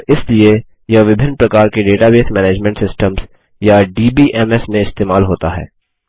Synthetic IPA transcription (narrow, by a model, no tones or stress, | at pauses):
ɪslie | jɐʋɪbʱɪnːpɾɐkaːɾkeɖeːʈabeːt̪ʰmɛːneːd͡ʒmɛ̃ɳʈsɪsʈəmz | jaɖiːbiːʔɛːmɛsmẽɪst̪eːmaːlɦoːt̪aɦɛ̰ː